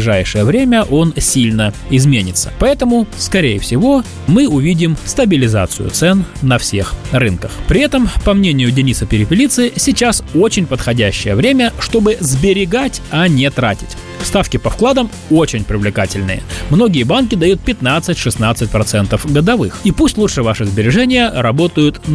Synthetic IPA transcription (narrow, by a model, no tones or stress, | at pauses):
ɪʐajʂɨjəvɾʲemʲəʔo̞nsʲilʲnəɪzmʲenʲɪt̪sːə̥̰pɐɛt̪əmʊskɐɾʲejəfsʲɪvo̞ | mɨʊvʲidʲɪmst̪əbʲɪlʲɪza̰t̪sɨ̰jʊ̰t̪sɛnːɐfsʲexrɨnkəxpɾʲɪɛt̪əmpɐmnʲenʲɪjʊdʲɪnʲisəpʲɪɾʲɪpʲɪlʲit̪sɨsʲɪt͡ɕaso̞t͡ɕɪnʲpət̪xɐdʲæɕːɪjəvɾʲemʲəʂt̪o̞bɨzbʲɪɾʲɪɡatʲɐnʲɪt̪ɾa̰tʲɪ̥tʲ | fst̪afkʲɪpɐfklˠad̪əm | o̞t͡ɕɪnʲpɾʲɪvlʲɪkatʲɪlʲnɨ̰jə̰mno̞ɡʲɪjəbank̬ʲɪd̪ɐjut̪̚pʲɪt̪nat̪sɨtʲʂɨsnat̪sɨt̚ʲpɾɐt̪sɛnt̪əfɡəd̪ɐvɨxipusʲtʲlutʂɨvaʂɨzbʲɪɾʲɪʐɛnʲɪjəɾɐbo̞t̪əjʊt̪